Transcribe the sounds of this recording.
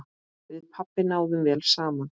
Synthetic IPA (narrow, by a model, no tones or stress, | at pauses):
vɪðpʰapːɪnaːwðʏmvɛːlsaːman